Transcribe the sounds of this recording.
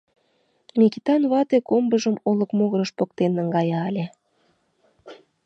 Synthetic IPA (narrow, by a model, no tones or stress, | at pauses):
mʲikit̪ɑnβɑt̪ekombəʒəmolə̆kmoɣəɾə̆ʃpok̚t̪enːə̆ŋɡɑjɑːlʲe